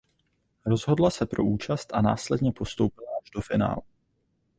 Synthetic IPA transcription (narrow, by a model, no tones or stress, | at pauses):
ɾo̞zɦo̞dlasɛpɾo̞ʔuːt͡ʃast̪ʔana̰ːslɛdɲɛpo̞st̪o̞wpɪlaaʒdo̞fɪna̰ːl